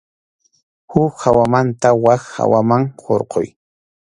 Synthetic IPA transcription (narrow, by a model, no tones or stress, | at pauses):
hʊkhawamant̪awakha̰wamaŋqoɾqo̰j